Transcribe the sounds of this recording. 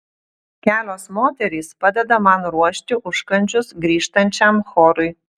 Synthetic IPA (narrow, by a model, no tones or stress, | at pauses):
kʲæːlʲoːsmoːt̪ʲɛɾʲiːspɑd̪ʲɛd̪ɐmɐnɾuɔʃʲt̪ʲɪʔʊʃkɐnʲt͡ʃʲʊsɡɾʲiːʃt̪ɐnʲt͡ʃʲɛmxoːɾʊɪ